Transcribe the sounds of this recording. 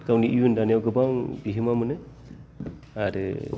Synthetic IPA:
kawniʔijundanijawɡɯbaŋbiɦɯmamɯnɯ | aɾɯ̰

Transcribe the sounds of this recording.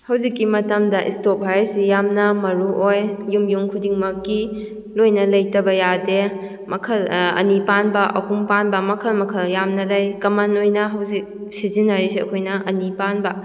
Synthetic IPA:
hɐwzikːimɐtɐmdɐʔḭstop̚ajɾsijamnɐmɐɾuʔojjumjuŋkʰudiŋmɐkːi | lojnɐlɐjtɐbɐjade | mɐkʰɐlɐ̰nipanbɐʔɐ̰humpanbɐmɐkʰɐlmɐkʰɐljamnɐlɐjkɐmanojnɐɦɐwzik̚ | sizinːaɾisiɐ̰kʰojnɐʔɐnipanbɐ

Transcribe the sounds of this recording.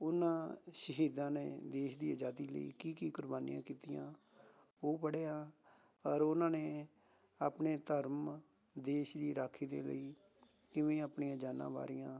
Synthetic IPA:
ʊnãːʃəɦiːd̪ãːneːd̪eːʃd̪iːəd͡ʒaːd̪iːlə̰ḭːkiːkiːkʊɾbaːnḭã̰ːkiːt̪ɪjãː | oːpəɽeːaː | əɾʊnãːneː | aːpneːt̪əɾm | d̪eːʃd̪iːɾaːkʰːiːd̪ḛːlə̰iː | kɪʋẽːapɳiːãːd͡ʒaːnã̰ːʋa̰ːɾijãː

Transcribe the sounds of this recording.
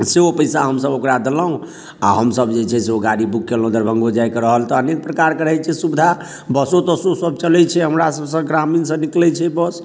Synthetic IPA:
seopəjsaɦəmsəbokɾad̪eləɦũ | a̰ɦəmsəbd͡ʒet͡ʃʰɛseoɡaɾibukːelə̃d̪əɾbʱə̃ŋɡod͡ʒajkəɾəɦəlt̪ɔːnek̚pɾəkaɾkəɾɦɛjt͡ʃʰɛsubd̪ʱa | bəsot̪ɔsosəb̚t͡ʃəlɛt͡ʃʰɛɦəmɾasəbsə̃ɡɾaminsə̃niklɛt͡ʃʰɛbəs

